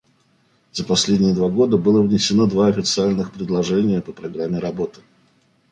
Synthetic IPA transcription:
z̥əpɐsʲlʲedʲnʲɪjəd̪vaɡo̞d̪əbɨlˠəvnʲɪsʲɪno̞d̪vaɐfʲɪt̪sɨalʲnɨxpɾʲɪd̪lˠɐʐɛnʲɪjəpəpɾɐɡɾamʲːɪɾɐbo̞t̪ɨ̥

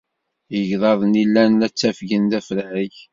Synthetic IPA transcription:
jəʝðˤɑðˤnilːænːæt͡sːæfʝənðæfɾʕəç

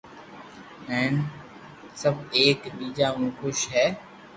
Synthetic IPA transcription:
ɛ̃ːn | səbʱeːkɗiːd͡ʒaːmũːxʊʃɦɛː

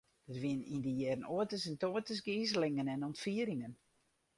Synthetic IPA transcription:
d̥ətʋiənḭndəjɛrnoətəsɛntoətəsɡiːzəlɪŋənɛnɔntfiəɾɪŋən

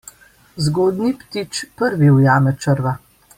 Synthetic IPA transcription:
zɡoːd̪nipt̪it͡ʃpəɾʋiwjaːmɛt͡ʃəɾʋa

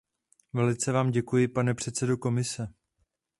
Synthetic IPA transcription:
vɛlɪt͡sɛvaːmɟɛkujɪpanɛpr̝̥ɛt̪t͡sɛdoko̞mɪsɛ

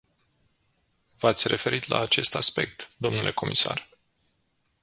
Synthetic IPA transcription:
vat̪sʲre̞fe̞ɾit̪la̰ːt͡ʃe̞st̪aspe̞k̚t̪d̪o̞mnulʔe̞ko̞mʔisa̰r

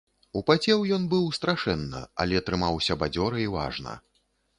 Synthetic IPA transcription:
upat͡sʲɛwjɔnbɨwst̪ɾaʂɛnːɐ̰a̰lʲɛt̪ɾɨmawsʲɐbad͡zʲɔɾɐiva̰ʐnɐ̰

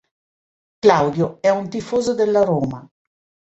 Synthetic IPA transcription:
klawd̪joɛunt̪ifoːzod̪elːaɾoːma

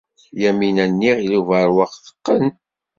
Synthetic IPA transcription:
jæminænːiʁiluvəɾwɑqθə̥qːən

